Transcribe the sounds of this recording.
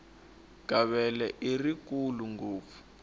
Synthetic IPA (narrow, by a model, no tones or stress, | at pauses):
ɡ̥ʱaβɛlɛʔirikuluŋɡoːp̪fu̥